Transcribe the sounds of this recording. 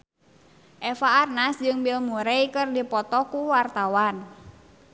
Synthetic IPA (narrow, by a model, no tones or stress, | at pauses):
ʔɛfaːrnasd͡ʒɨŋbilmuɾɛikɨrdipɔt̪ɔkuwart̪awan